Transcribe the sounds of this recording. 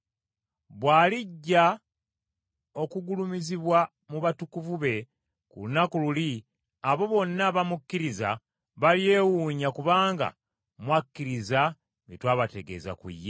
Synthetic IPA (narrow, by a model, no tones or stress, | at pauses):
βwaːliɟːa | o̞kuɡulumiziβwa | muβatukuvuβe̞ | kṵlunakululi | aβo̞βo̞nːaβamukːiɾiza̰ | βalje̞ːwuɲakuβaːŋɡa̰ | mwakːiɾiza | ŋitwaːβate̞ɡe̞̰za̰kwḭjːe